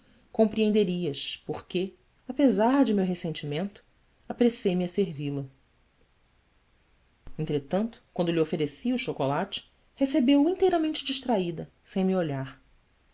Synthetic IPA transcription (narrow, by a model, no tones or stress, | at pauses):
kõmpɾiẽnd̪eɾiɐspoɾke | apezaɾd͡ʒɪmewɦesẽnt͡ʃimẽnt̪ʊ̥ | apɾesejmɪɐseɾvilɐ | ẽnt̪ɾet̪ɐ̃nt̪ʊ̥kwɐ̃nd̪ʊliofeɾesiuʃokolat͡ʃɪ̥ | hesebewĩnt̪ejɾɐmẽnt͡ʃɪd͡ʒiʃt̪ɾaid̪ɐ | sẽj̃mioʎaɾ